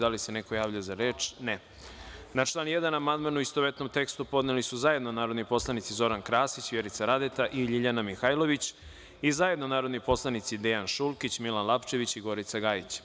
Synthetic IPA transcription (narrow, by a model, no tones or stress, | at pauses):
d̪alisene̞ko̞jaːʋʎazaɾeːt͡ʃne | nat͡ʃlˠaːnjed̪anamand̪manuist̪oʋet̪no̞mt̪e̞kst̪upo̞d̪nelisuzaje̞d̪nonaːɾo̞d̪nipo̞slˠanit̪sizo̞ɾankɾaːsit͡ɕʋjeɾit̪saɾad̪et̪aʔiʎiʎanamixajlˠo̞ʋit͡ɕ | izaje̞d̪no̞naːɾo̞d̪nipo̞slˠanit̪sid̪ejanʃulˠkit͡ɕmilanlˠapt͡ʃe̞ʋit͡ɕiɡo̞ɾit̪saɡaːjit͡ɕ